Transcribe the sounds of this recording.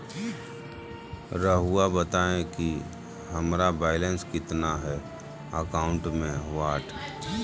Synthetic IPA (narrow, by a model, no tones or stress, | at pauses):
ɾəɦuabət̪aːẽki | ɦɐmɾabaːɪlə̃nskɪt̪naɦɛ | əkaːʊ̃ɳʈmẽʋaːʈ